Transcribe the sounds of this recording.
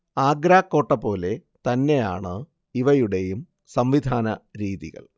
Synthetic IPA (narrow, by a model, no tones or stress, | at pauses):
aːɡɾaːkːo̞ːʈːɐpo̞ːle̞t̪ɐnːe̞ja̰ːɳɨ | iʋɐjuɽe̞jum | sɐmʋid̪ʱaːnɐɾiːðḭɣɐ̰ɭ